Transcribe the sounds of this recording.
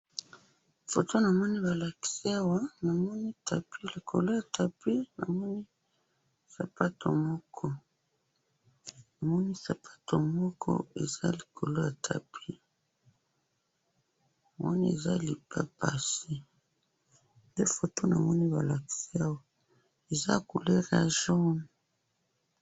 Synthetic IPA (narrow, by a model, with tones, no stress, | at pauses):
fo˨tʰo˦na˨mɔ˦ni˦ba˨la˨ki̥˨si˦a˦wa˦na˨mɔ˦ni˦tʰa˨pʰi˦li˨kʰo̰˨lo˦ja˨tʰa˨pi˦na̰˨mɔ˦ni˦ | sa˨pa˦to̰˨mɔ˦kʰɔ˦ | na˨mɔ˦ni˦sa˨pʰḁ˦tʰo˨mɔ˦kʰɔ̰˦e˨za˦li˨kʰo˨lo˦ja˨tʰa̰˨pʰi˦ | a˨mɔ˦ni˦e˨za˦li˨pa˦pa˨si˦ | nde˦fo˨to˦na˨mɔ˦ni˦ba˨la˨ki̥˨si˦a˦wa˦ | e˨za̰˦ku˨le˦ʁa˨ʒɔ˦n